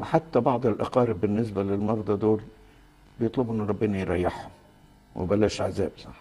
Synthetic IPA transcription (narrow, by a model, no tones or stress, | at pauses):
wħat̪ːæbɑʕd̪ˤɪlʔɑ̰qɑːɾɪbɪnːɪs̬bælɪlmɑɾˤd̪ˤɑd̪oːl | bɪjet̪ˤlobʔenːɾˤɑbːenɑjɾˤɑjːɪħhʊm | wɪ̰bælːæːʃʕazæːbsˤɑħ